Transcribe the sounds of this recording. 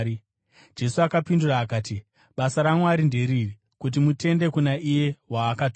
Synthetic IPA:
d͡ʒe̞suakapinduraːkaːti | ɓasaɾamwaɾinde̞ɾiːri | kut̬imute̞nde̞kunaʔije̞ɦwaːkatː

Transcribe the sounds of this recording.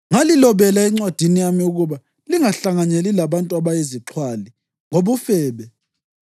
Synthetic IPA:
ŋalilɔβɛlaɛŋ͡ǀwad̥ʱinijamiuɣuβa | liŋaɬaŋaɲelilaβantʼuaβajeziǁʰwali | ŋoβufɛːβɛ

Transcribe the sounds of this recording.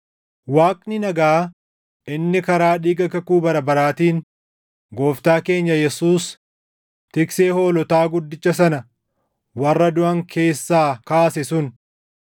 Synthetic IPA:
waːkʼnɪnɐɡaː | ʔɪnːɪkɐɾaːᶑiːɡɐkɐkuːbɐɾɐbɐɾaːt̪iːn | ɡo̞ːft̪aːke̞ːɲːɐjɛsuːs | t̪ɪkseːho̞ːlɔt̪aːɡʊd̪ːɪt͡ʃːɐs̬ɐnɐ | wɐrːɐd̪ʊʔɐŋkʰe̞ːsːaːkaːsɛsʊn

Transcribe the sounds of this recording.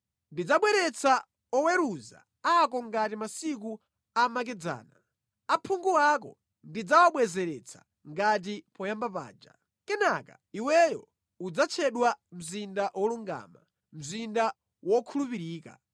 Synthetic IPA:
ndid͡zaɓwɛɾɛt͡sʰa | ɔwɛɾuza̰ | akɔŋɡatimasik̬u | amak̬ɛd͡za̰ːna | apʰuŋɡuwakɔ̰ | ndid͡zawaɓwɛzɛɾɛt͡sʰḁ̰ | ŋɡat̬ipɔjambapa̰ːd͡ʒa̰ | kɛnaka̰ | iwɛjɔ̰ | ud͡zat͡ʃʰɛɗwam̩zindaʔwʔɔluŋɡa̰ːma | m̩zinda | wɔkʰulupiɾiːka̰

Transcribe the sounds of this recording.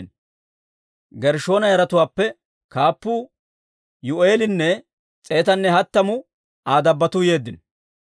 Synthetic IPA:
n | ɡɛɾʃo̞ːnɐjɐɾɐt̪ʊwaːpːɛ | kaːpːu | jʊʔe̞ːlɪnːɛ | t͡sʼe̞ːt̪ɐnːɛɦɐt̪ːɐmʊ | aːd̪ɐbːɐt̪uje̞ːd̪ːɪn

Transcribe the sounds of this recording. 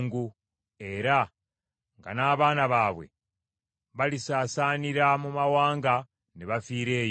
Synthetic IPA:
ŋɡu | e̞ɾa | ŋɡa̰naːβaːnaβaːβwe̞̰ | βalisaːsaːniɾamumawaːŋɡa | neβafiːɾe̞ːj

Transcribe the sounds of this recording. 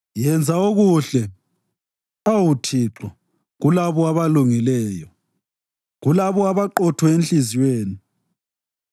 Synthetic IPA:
jɛnd͡zʱaoɣuɬɛ | awutʰiǁɔ | ɣulaβɔaβaluŋilɛjɔ | ɣulaβɔaβaǃɔtʰwɔenɬiziweːni

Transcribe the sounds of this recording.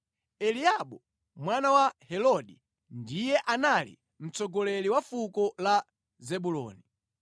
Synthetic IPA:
ɛliaɓɔ | mwanawahɛlɔɗi | ndijɛʔanalḭ | m̩t͡sɔɡɔlɛliwafukɔla | zɛɓulɔ̰ːni

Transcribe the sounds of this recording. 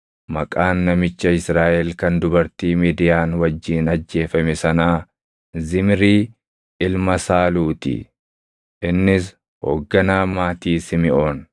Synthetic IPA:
mɐkʼaːnːɐmɪt͡ʃːɐɪsɾaːʔɛlkɐnd̪ʊbɐɾt̪iːmiːd̪ɪjaːnwɐd͡ʒːiːnɐd͡ʒːe̞ːfɐmɛsɐnaː | zɪmɾiː | ʔɪlmɐsaːluːt̪ɪ̰ | ʔɪnːɪs | ho̰ːɡːɐnaːmaːt̪iːsɪmɪʔo̞ːn

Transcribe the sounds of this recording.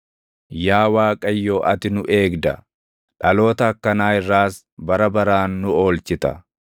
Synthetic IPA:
jaːwaːkʼɐjːoːʔɐt̪ɪnʊʔe̞ːɡd̪ɐ | ᶑɐlo̞ːt̪ɐːkːɐnaːɪrːaːs | bɐɾɐbɐɾaːnːʊo̞ːlt͡ʃɪt̪ɐ̰

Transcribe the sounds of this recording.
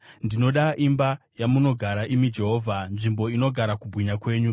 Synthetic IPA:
ndino̞ɗaʔimba | jamuno̞ɡʱaɾaʔimid͡ʒe̞ɦo̞ːvʱanʐimbo̞ino̞ɡʱaɾakubʱwiɲakwe̞ːɲu

